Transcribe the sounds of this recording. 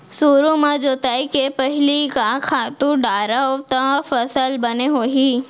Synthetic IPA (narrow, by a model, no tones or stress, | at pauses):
suːɾũmãd͡ʒoːt̪aikepəɦɪlikakʰaːt̪ũɖaːɾaɔːt̪əfɐsəlbɐneɦoːɦiː